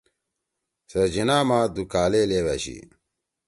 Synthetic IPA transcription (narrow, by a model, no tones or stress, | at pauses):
sɐd͡ʑinaːmãːd̪ukaːleleːwɐɕḭ